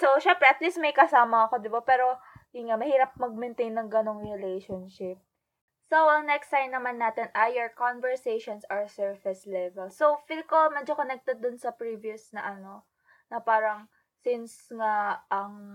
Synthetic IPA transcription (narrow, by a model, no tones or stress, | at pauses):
sowʃɛmpɾɛʔɐt̪lismɐjkɐsaːmɐɐko̞d̪ɪbapɛːɾo̞iŋamɐhiːɾɐp̚mɐɡ̚mɪnt̪ejnːɐŋɡɐno̞ŋɹɪlejʃonʃɪp̚ | sowɐŋnɛɛkst̪ːajnːɐmanːaːt̪ɛnʔajɛɹkonvɛɹseʃonsɐɹsɛɹfɛslɛvɛlsowfɪlkomɛːd͡ʒokonɛk̚t̪ɛd̪̚ːʊnsɐpɹiviʊsnɐʔɐno̞ | nɐpaːɾɐŋ | sɪnsŋaʔɐŋ